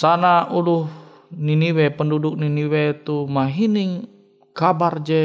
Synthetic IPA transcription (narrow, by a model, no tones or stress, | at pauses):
sanauluh | niniwɛpənduduk̚niniwɛt̪umaɦiniŋ | kabard͡ʒɛ